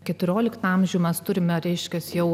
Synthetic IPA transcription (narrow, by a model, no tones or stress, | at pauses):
kʲɛt̪ʊɾʲoːlʲɪkt̪ɑmʲʒʲuʊmʲɛst̪ʊɾʲɪmʲɛɾʲɛɪʃʲkʲɛssjɛʊ